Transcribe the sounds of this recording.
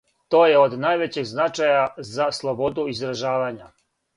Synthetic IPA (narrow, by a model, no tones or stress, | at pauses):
t̪o̞ːjeod̪naːjʋet͡ɕeɡznat͡ʃajazaslˠo̞bo̞d̪uizɾaʒaːʋaɲa